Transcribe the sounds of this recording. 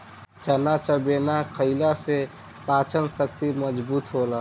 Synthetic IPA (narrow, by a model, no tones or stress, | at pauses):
t͡ʃənat͡ʃəbenakʰəɪlase | pat͡ʃənsək̚t̪iməd͡ʒbuːt̪ɦola